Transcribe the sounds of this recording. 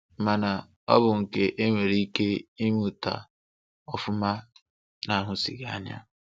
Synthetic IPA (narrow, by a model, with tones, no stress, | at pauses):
ma˨na˨ | ɔ̰˦bʊ˨ŋ̩˨ke˦ʔe˦ŋʷe˨ɾi˦i˦ke˦i˦mu˨ta̰˨ | ɔ˦fʊ˦ma˦ | na˦ɦʊ˨sḭ˨ɡa˨a˦ɲa̰˦